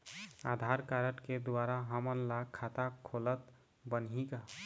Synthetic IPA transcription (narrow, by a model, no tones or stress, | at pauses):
ad̪ʱaɾkaɾəʈked̪waɾaɦəmənlakʰat̪akʰolət̪ | bənɦika